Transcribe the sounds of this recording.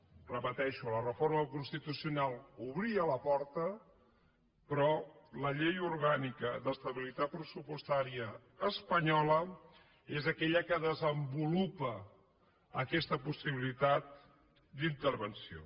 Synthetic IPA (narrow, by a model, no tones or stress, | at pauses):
rəpət̪ɛʃulərəfoɾməkunst̪it̪usiunalˠuβɾiələpɔɾt̪ə | pɾɔləʎejuɾɣanikəd̪əst̪əβilit̪at̪̚pɾəsupust̪aɾiəː | spəɲɔlə | ezəkɛʎəkəðəzəmbulupə | əkɛst̪əpusiβilit̪at̪̚ | d̪int̪əɾβənsio̰